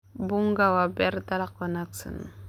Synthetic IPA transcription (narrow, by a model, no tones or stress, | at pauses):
buŋɡawabeɾt̪alakwanaksə̰nṵ